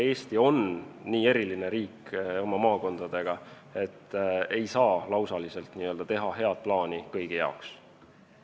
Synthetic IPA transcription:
e̞ːst̪io̞nːiːe̞ɾiline̞ɾiːko̞mɑmɑːko̞nd̪̥ɑd̪̥e̞ɡ̥ɑ | e̞t̪ːe̞jsɑːlɑwsɑlise̞lt̪niːø̞ld̪ɑt̪e̞ɦɑɦe̞ɑd̪̥̚plɑːnikɤjɡ̥ijɑoks

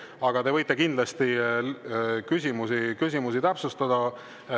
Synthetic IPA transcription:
ɑɡ̥ɑt̪e̞vɤjt̪ˑːe̞kind̪lɑst̪i | kys̬ʲimusikys̬ʲimusit̪æpsust̪ɑd̪ɑ

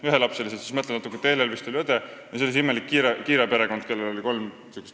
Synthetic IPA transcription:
yɦelɑpseliset̪si̥smɤt̪lenɑt̪ukːˑet̪e̞ːlelvist̪uliød̪ejɑselis̬imːelikːiɾekiːɾepe̞ɾe̞ko̞nd̪̥̚kelːelo̞liko̞lm | sykːˑest̪

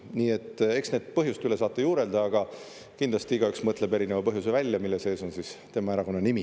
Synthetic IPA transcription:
niːe̞t̪ːˑe̞ksne̞ːd̪̥̚pɤɦjust̪yle̞sɑːt̪ːˑejuːɾe̞ld̪ɑɑɡ̥ɑ | kind̪lɑst̪iiɡ̥ɑyksmɤt̪ːˑle̞be̞ɾinevɑpɤɦjus̬e̞vælʲjɑmilːese̞ːso̞nsist̪e̞mɑeɾɑko̞nːɑnimi

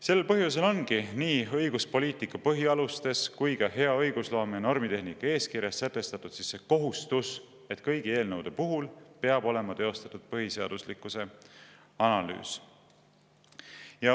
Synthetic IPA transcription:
se̞lːe̞lpɤɦjuse̞lo̞nɡiniːɤ̞jɡ̥uspo̞liːt̪ˑikːˑɑpɤɦiɑlust̪e̞skujkɑhe̞ɑɤjɡ̥uslo̞ːmeno̞rmit̪e̞ɦnikːˑɑe̞ːskiɾjɑsːet̪ːˑe̞st̪ɑt̪ːˑud̪̥sisːe̞ko̞ɦust̪us | e̞t̪kɤjɡie̞ːlnəwd̪̥e̞puɦulpe̞ɑbo̞le̞mɑt̪e̞o̞st̪ɑt̪ːud̪̥̚pɤɦise̞ɑ̰d̪̥uslikːˑuse̞ | ɑnɑly̰ːs | jɑ

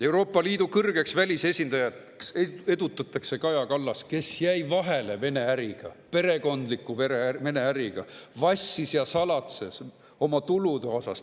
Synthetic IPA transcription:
e̞wɾo̞ːpːˑɑliːd̪̥ukɤrɡ̥e̞ksvælʲise̞sʲind̪̥ɑjɑt̪ | ksee̞d̪ut̪ːˑɑt̪ːˑɑkse̞kɑjɑkɑlːɑske̞sjæjvɑɦe̞le̞ve̞ne̞æɾiɡ̥ɑ̰pe̞ɾe̞ko̞nd̪̥likːˑuveeme̞ne̞æɾiɡ̥ɑ̰vɑsʲːisjɑsɑlɑt̪se̞s | o̞mɑt̪ulud̪eo̞sɑ̰st̪

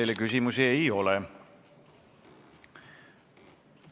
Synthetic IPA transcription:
lekysimusiejo̞le

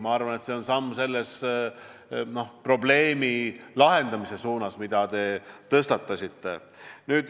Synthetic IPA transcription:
mɑɑrvɑne̞t̪se̞o̞nsɑmːse̞lːes | no̞hpro̞ble̞ːmilɑɦe̞nd̪̥ɑmise̞suːnɑsmid̪̥ɑd̪e̞t̪ɤst̪ɑt̪ˑːɑsʲit̪ːe̞̰ | nyːd̪̥

